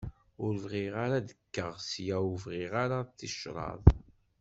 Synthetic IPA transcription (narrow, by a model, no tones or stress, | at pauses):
ʊɾvʁɪʁaɾad̪əkːəʁsjæuvʁɪʁaɾat̪ːiʃɾˤɑ̰ðˤ